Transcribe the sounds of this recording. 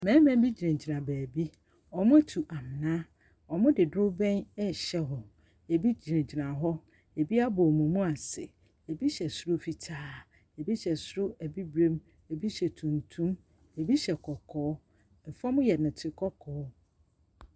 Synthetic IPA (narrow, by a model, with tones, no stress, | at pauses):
mɛ̃˨˦mɛ̃˦bi˦d͡ʑi˨ɾẽ˨d͡ʑi˨nã˨bæː˨bi˦ | ɔ˨mʊ̃˦tʰu˨ʔa˨mɪ˨nã˦ | ɔ˨mʊ̃˦dɪ˨dʊ˦bɛ̃˦nɛ˦ɕɛ˦ɦɔ˨ | e˨bi˦d͡ʑɾẽ˨d͡ʑi˨nã˨ɦɔ˦ | e˨bi˦a˦bɔ˨mũ˨mũ˦a˨sɪ̰˨ | e˨bi˦ɕɛ˨sʊ˦ɾʊ˦fi˨tʰaː˦ | e˨bi˦ɕɛ˨sʊ˦ɾʊ˦æ˨bi˦bɾẽ˦m | e˨bi˦ɕɛ˨tʰũ˨ntʰũ˦m | e˨bi˦ɕɛ˨kʰɔ˨kʰɔː˨˦ | m̩˨fɔ̃˦mʊ̃˦jɛ˨nʊ̃˨tʰɪ˨kʰɔ˦kʰɔː˨˦